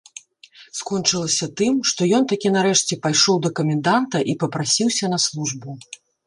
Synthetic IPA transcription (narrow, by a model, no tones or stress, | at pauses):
skɔnt͡ʂɨlˠɐsʲɐt̪ɨmʂt̪ɔjɔnt̪akʲinaɾɛʂt͡sʲɛpajʂɔwd̪ɐkɐmʲɛnd̪ant̪ɐʔipɐpɾasʲiwsʲɐnɐslˠuʐbu